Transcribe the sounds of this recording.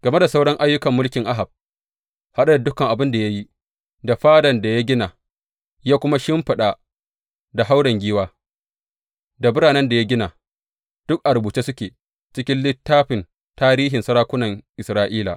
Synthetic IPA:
ɡ̥ɐ˨me˦da˨sa˦wɽɔ˦ŋʔa˦jːʊ˦kɐ˨mːʊ˦lkʲɪ˨ŋʔa˦ɦa˨b̚ | ha˦ɗa˦da˨dʊ˦kɐ˨ŋʔa˨bɪ˦nda˨ja˦ji˦ | da˨ɸaː˦dɐ˨nda˨ja˦ɡʲɪ˦naː˨ | jaː˦kʷʊ˦ma˦ʃɪ˦mɸɪ˨ɗa˦˨ | da˨ɦa˦wɽɐ˨ŋɡʲiː˦waː˦ | da˨bɪ˦ɽaː˨nɛ˦nda˨ja˦ɡʲɪ˦naː˨ | d̥ʊ˦k̚ʔa˨ɽʊ˨buː˨t͡ʃeː˦sʊ˦kʲeː˨ | t͡ʃɪ˦kʲɪ˦nlɪ˦tːaː˦ɸɪ˨n | taː˦ɾiː˦ɦɪ˨nsɐ˦ɾaː˦kʷʊ˦nɐ˨ŋʔɪ˨sɾaː˦ʔiː˦la̰˨ʔ

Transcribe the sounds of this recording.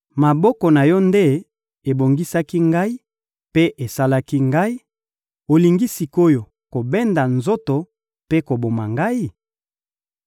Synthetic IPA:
ma˨bɔ˦kɔ˨na˨jɔ˦nde˦ | e˨bo˨ŋɡi˦sa˦ki˦ŋɡa˦i˦ | pe˦ʔe˨sa˦la˦ki˦ŋɡa˦i˦ | o˨li˨ŋɡi˦si˨ko˦jo˨ | ko˨bɛ˦nda˨nzo˦to˨ | pe˦ko˨bo˨ma˨ŋɡa˦i˦˨

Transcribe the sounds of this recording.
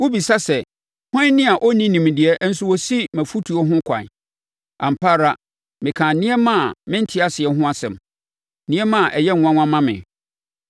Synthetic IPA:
wu˦bi˨sa˦sɛ˨ | hɔ̃˦nɪ̃˦a˨ʔɔ˦nĩ˦nĩ˨m˨dɪ˨ɛ˦n̩˦su˦wɔ˨si˦mæ̃˨fu˦tʰu˨ɔ˦ɦʊ̃˦kʷʰã̰˨n | ã̰˨m̩˨pʰa˦ɾa˦ | mɪ̃˨kʰãː˨nɪ̃˦ɛ˦mã˦˨mɪ̃˦n̩˦tʰɪ˦a˦sɪ˨ɛ˨ɦʊ̃˦a˦sɛ̰̃˨m | nĩ˦ɛ˦mã˨ʔɛ˨jɛ̃˦˨ã˦ŋʷ˦ã˦mːã˦mɪ̰̃˨

